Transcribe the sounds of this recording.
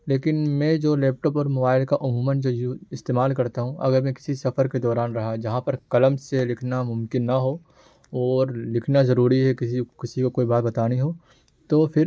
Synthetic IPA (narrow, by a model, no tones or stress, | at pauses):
leːkɪnmɛ̃d͡ʒoːlɛːp̚ʈɔːpɔːɾmobaːɪlkaʔʊmũːmə̃nd͡ʒojuɪst̪eːmaːlkɐɾt̪aɦũʔɐ̰ɡəɾmɛ̃kɪ̥sisɐfəɾked̪ɔːɾaːnɾɐɦad͡ʒɐɦãpɐɾkɐləmselɪkʰnamʊ̃mkɪnːɐɦo | ɔːɾlɪkʰnazɐɾuːɾiɦɛkɪsikɪsikokoːibaːt̪̚bɐt̪aːniɦoː | t̪opʰɪɾ